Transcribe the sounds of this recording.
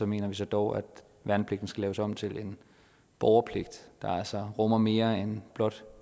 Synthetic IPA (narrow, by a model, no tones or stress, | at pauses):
sɒ̽me̝̰ːnɐʋis̬ɒ̽d̥ɒʊæd̥ | ʋænpʰle̝ɡ̥d̥n̩sɡ̥ælɛ̰ːʊsɒ̽m̰t͡sʰe̝lʔe̝n | b̥ɒʊɐpʰle̝ɡ̥̚d̥d̥ɑ̈ælsɒʁɔ̽mɐme̝ːɐenb̥lɒ̽d̥